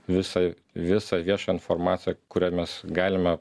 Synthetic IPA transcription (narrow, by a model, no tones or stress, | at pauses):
ʋʲɪsɐɪ | ʋʲɪsɑʋʲiɛʃɑːɪnformɑːt̪ʲɪjɛkʊɾʲæːmʲɛsɡɑːlʲɪmʲɛ